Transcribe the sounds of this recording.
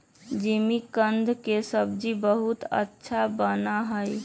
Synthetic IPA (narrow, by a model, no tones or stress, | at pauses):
d͡ʒimikənd̪ʱkesəbd͡ʒibəɦut̪ə̰tːʃʰabənaɦəj